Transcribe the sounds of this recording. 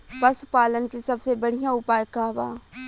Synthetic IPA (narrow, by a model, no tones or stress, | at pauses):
pəsʊ̥paːlənkisɐbsebɐɽ̤ijãʊpaːjkaːʋa̰ː